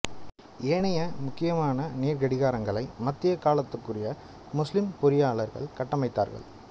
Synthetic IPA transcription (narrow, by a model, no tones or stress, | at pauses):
ʔeːɳɐjɐmʊkːɪjɐmaːnɐniːɾɣɐɽɪɣaːɾɐŋɡɐɭɐɪmɐt̪ːɪjɐkaːlɐt̪ːɯkːɯrɪjɐ | mʊslɪmpʊɾɪjaːɭɐɾɣɐ̰ɭkɐʈːɐmɐɪt̪ːa̰ːɾɣɐ̰ɭ